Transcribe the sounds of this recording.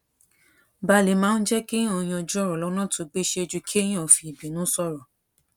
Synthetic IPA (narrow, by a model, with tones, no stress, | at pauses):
ba˧˦le˨˦mãː˨˦n̩˦d͡ʒɛ˦kĩ˦ã˦˨j̃ã˧˨d͡ʒu˦ɔ˦˨ɾɔ˨lɔ˦nã˦˨tu˨˦ɡ͡be˦ʃe˧e˧d͡ʒu˧kʰi˦j̃ã˦˨fi˧˨i˨bi˨˦nũ˨˦sɔ˦˨ɾɔ˨